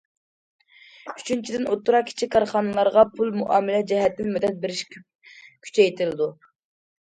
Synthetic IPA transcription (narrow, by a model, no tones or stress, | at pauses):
y̥t͡ʃʰynt͡ʃʰid̪ɪnot̪ːuɾɑqkʲʰi̥t͡ʃʰikʲkːɑɾχɑnɨlˠɑɾʁɑpʰulˠmuʔɑːmɪlɛd͡ʒɛɦɛt̪ːɪnmyd̪ɛt̪̚beɾɪʃʲ | kʲʰy̥t͡ʃʰɛjt̪ʰɪlɪd̪u